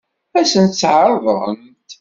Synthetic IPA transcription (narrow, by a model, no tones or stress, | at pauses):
æsənt̪t͡sːʕɾˤðˤə̰m | t̪